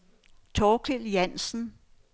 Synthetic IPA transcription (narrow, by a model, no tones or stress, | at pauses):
t͡sʰɒːkʰeljænsn̩